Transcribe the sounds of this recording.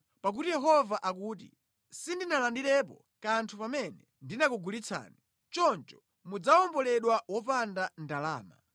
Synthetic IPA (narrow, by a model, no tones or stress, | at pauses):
pak̬utijɛɦɔvaʔak̬uːt̬ḭ | sindinalandiɾɛp̬ɔ̰ | kantʰupamɛnɛ | ndinakuɡulit͡sʰa̰ːni | t͡ʃɔnt͡ʃɔ̥ | mud͡zaɔmbɔlɛɗwawɔpandandala̰ːma̰